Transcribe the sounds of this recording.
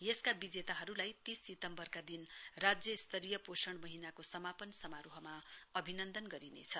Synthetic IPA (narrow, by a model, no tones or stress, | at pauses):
jeskabid͡zet̪aɦʌɾulajt̪isːit̪ʌmbʌrkad̪inrad͡zjʌist̪ʰʌɾijʌposʌɽmʌɦinakosʌmapʌnsʌmaɾuɦʌmaʌbʱinʌnd̪ʌnɡʌɾinḛt͡sʰʌ